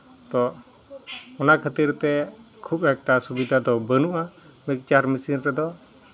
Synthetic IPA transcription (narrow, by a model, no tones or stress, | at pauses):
t̪ɔ | ɔnakʰət̪iɾt̪ɛkʰupɛk̚ʈasubid̪ʱad̪ɔbənuʔamik̚t͡ʃaɾmisinɾɛd̪ɔ